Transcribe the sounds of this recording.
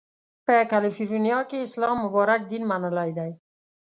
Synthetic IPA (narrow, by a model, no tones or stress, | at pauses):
pəkalɪfiɾunjɑkeɪslɑmːʊbɑɾak̚d̪inmanəlajd̪aj